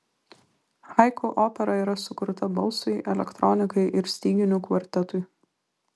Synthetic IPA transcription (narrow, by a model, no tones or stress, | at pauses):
hɑɪkoʔoːpʲɛɾɐiːɾɐsʊkʊɾt̪ɐbɐlˠsɐɪʔɛlʲɛ̰kt̪ɾɔnʲɪkɐɪʔɪɾsʲt̪ʲiːɡʲɪnʲʊkʋɐɾʲt̪ʲɛt̪ʊɪ